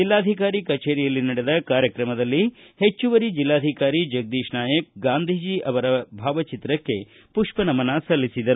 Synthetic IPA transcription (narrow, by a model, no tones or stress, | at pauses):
d͡ʒilːaːd̪ʱikaːɾikɐt͡ʃeːɾijɐlːinɐɽed̪ɐkaːɾjɐkɾɐmɐd̪ɐlːihet͡ʃːuʋɐɾid͡ʒilːaːd̪ʱikaːɾid͡ʒɐɡ̚d̪iːʃnaːjɐk̚ɡaːnd̪ʱiːd͡ʒiːʔɐʋɐɾɐbʱaːʋɐt͡ʃit̪ɾɐkːe̞ | puʂpɐnɐmɐnɐsɐlːisid̪ɐɾu